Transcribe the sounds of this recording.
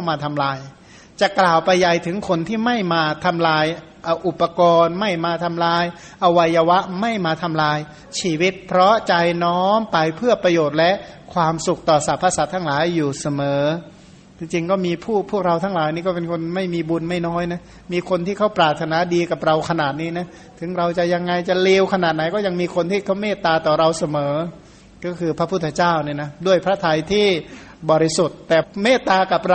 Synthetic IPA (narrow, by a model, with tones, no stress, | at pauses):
a˥˩wmaː˧t̪ʰa˧mlaː˧j | t͡ɕa˨˩ʔklaː˨˩wpa˧jːa˨˩jt̪ʰɯ˩˦ŋkʰo˧nt̪ʰiː˥˩ma˥˩jmaː˧t̪ʰa˧mlaː˧j | ʔaː˧˩ʔu˨˩pːa˧kɔː˧nma˥˩jmaː˧t̪ʰa˧mlaː˧j | ʔa˧wa˧jːaː˧wa˦˥ʔma˥˩jmaː˧t̪ʰa˧mlaː˧j | t͡ɕʰiː˧˩wi˦˥t̪̚pʰɾɔ˦˥t͡ɕa˧jnɔː˦˥mpa˧jpʰɯ˥˩əpɾa˧joː˨˩t̪̚lɛ˦˥ʔkʰwaː˧msu˨˩k̚t̪ɔː˨˩sa˨˩˦pʰːaː˧saː˨˦t̪ʰaː˥˩laː˨˩˦jːuː˨˩sa˧mɤː˩˦ | t͡ɕi˧ŋt͡ɕi˧ŋkɔː˥˩miː˧pʰuː˥˩pʰu˥˩ək̚ɾa˧wt̪ʰaː˦˥ŋlaː˨˦jniː˥˩kɔː˥˩pe˧nkʰo˧nma˥˩jmiː˧bu˧nma˥˩jnɔː˦˥˩jna˦˥ | miː˧kʰo˧nt̪ʰiː˥˩kʰa˦˥wpɾaː˨˩t̪ʰːa˧naː˩˦diː˧ka˨˩p̚ɾa˧wkʰa˧naː˨˩t̪̚niː˦˥˩na˦˥˩ | t̪ʰɯ˩˦ŋɾa˧wt͡ɕa˨˩ja˧ŋːa˧jt͡ɕa˨˩leː˧wkʰa˧naː˨˩t̪̚na˨˦jkɔː˥˩ja˧ŋmiː˧kʰo˧nt̪ʰiː˥˩kʰa˦˥˩wmeː˥˩t̪ːaː˧t̪ɔː˨˩ɾa˧wsa˧mɤː˩˦ | kɔː˥˩kʰɯː˧pʰɾa˦˥pʰu˥˩t̪ʰːa˧t͡ɕaː˥˩wniː˥˩na˦˥du˥˩əjpʰɾa˦˥t̪ʰa˧jt̪ʰiː˥˩ | bɔː˨˩ɾi˦˥su˨˩t̪̚ːɛː˨˩meː˥˩t̪ːaː˧ka˨˩p̚ɾ